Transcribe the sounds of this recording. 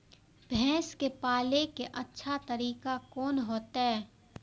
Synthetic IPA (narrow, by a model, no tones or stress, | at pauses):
bʱɛ̃ːskepaːlekeʔɐtːʃʰat̪ɐɾiːkakɔːnɦoːt̪ɦɛː